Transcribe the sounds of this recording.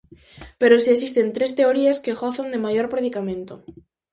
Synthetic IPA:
peɾosies̬ist̪ent̪ɾest̪eoɾiaskeɣoθand̪emajoɾpɾeðikamẽnt̪o

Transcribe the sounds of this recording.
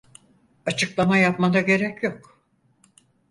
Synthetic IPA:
at͡ʃʰɯklˠamajapmad̪aɟe̞ɾɛcjok

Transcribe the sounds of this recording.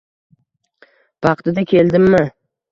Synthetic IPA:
b̥ɑqt̪ɪd̪akʲʰe̞ld̪ɪmːɪ

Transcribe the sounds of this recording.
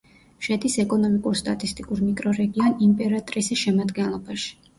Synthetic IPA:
ʃɛd̪isɛkʼɔnɔmikʼuɾst̪ʼa̰t̪ʼist̪ʼikʼuɾmikʼɾɔɾɛɡiɔnimpʼɛɾat̪ʼɾisiʃɛmad̪ɡɛnlˠɔbaʃi̥

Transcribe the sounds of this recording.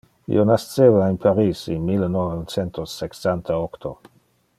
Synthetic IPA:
ḭonast͡sevainpʰaɾisinmilnovt͡sent̪osːeksant̪ʰaokt̪ʰo

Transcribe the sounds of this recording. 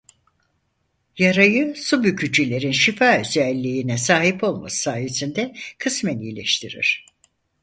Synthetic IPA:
jaɾajɯsubycʰyd͡ʒilʲe̞ɾinʃifaːøzælʲːiːnɛsaːɦipo̞lˠma̰sɯ̥saːjesind̪ɛkʰɯsmɛnijlʲḛʃt̪ʰiɾḭɾ̥

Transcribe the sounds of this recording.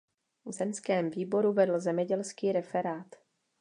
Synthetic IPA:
vzɛnskɛːmviːbo̞ɾuvɛdl̩zɛmɲɛɟɛlskiːɾɛfɛɾaːt̪

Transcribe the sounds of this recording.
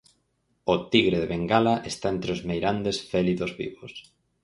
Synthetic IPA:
ot̪iɣɾeðeβeŋɡalaʔest̪aent̪ɾɪozmejɾand̪esfɛliðozβḭβos

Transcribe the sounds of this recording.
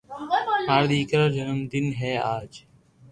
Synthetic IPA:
maːɾɗ̪iːkɾəd͡ʒənəmd̪ɪnɦeːaːd͡ʒ

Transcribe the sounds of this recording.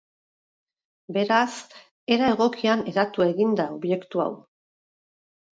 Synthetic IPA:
be̞ɾas | e̞ɾaeɣ̞o̞kiane̞ɾat̪ue̞ɣind̪ao̞βje̞kt̪ua̰w

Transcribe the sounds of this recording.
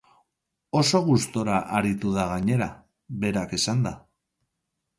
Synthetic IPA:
o̞so̞ɣ̞ust̪o̞ɾaʔaɾit̪uðaɣ̞aɲe̞ɾa | βe̞ɾake̞sand̪a

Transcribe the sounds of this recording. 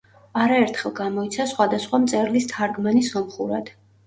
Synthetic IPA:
aɾaɛɾt̪ʰχɛlˠɡamɔit̪sʰasχwad̪asχwamt̪sʼɛɾlist̪ʰaɾɡmanisɔmχuɾa̰d̪̥

